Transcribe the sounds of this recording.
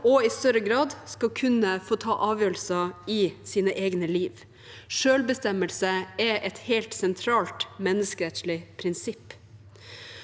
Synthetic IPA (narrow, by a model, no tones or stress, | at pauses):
ɔɪst̪œɾəɡɾɑːd̪skɑlkʰʉnəfoːt̪ʰɑ̰ːʔɑːʋjøːɾəlsɑɪsiːnəʔeːɡnəliːʋ | ʂøːlbəst̪ɛməlsəɛʔɛt̪hɛɪlt̪sɛnt̪ʰɾɑːlt̪mɛnːəskəɾɛt̪ʃɭɪpʰɾɪnsɪpː